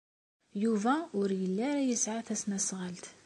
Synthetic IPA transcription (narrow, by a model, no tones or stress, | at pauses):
juvæʊɾjəlːæɾæjəsʕaθæsnæsʁəlt̪